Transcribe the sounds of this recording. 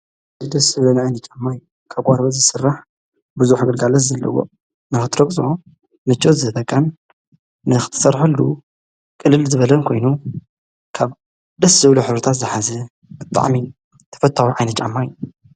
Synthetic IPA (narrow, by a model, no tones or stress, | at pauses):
zɨd̪ɐsɨβlonʕajnɐt̪t͡ʃʼamːajːu | kʰaβɡʷʼaɾbɐzɨsɨrːaħ | bɨzuħɡɨlɡalɐt̪zɐlːɐ̰wo̰ | nɨxɨt̪ʰɨɾɐɡsʼo | nɨt͡ʃʼːozɨɐt̪ʼɐkʼːanː | ɨxɨ̥t̪ʰɐ̥sɐɾħɨlːu | kʼɨlːɨlzɨβɐlɐnkʰo̞jnu | kʰaβ | d̪ɐsɨβluħɨβɾɨt̪ʰat̪zɨħazɛ | bɨt̪ʼːa̰ʕmi | t̪ʰɐ̥fɐt̪ʼʰːawiʕajnɐt̚t͡ʃʼa̰mːajːu